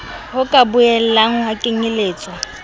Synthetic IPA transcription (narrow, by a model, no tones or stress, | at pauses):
hʊkʼabʊɛl̩laŋ̩hakʼɪŋɪleːt͡sʼɔ